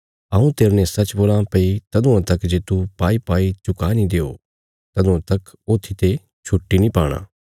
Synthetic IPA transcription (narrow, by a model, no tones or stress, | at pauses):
ɐũt̪eːɾnɛ̃sɐt͡ʃboːlãpɐit̪ɐd̪ũãt̪ɐkd͡ʒeːt̪upaːipaːit͡ʃʊkanĩd̪eːo̰ː | t̪ɐd̪ũãt̪ɐk | oːt̪ʰːit̪e | t͡ʃʰʊʈːinĩpaːɽ̃ã̰ː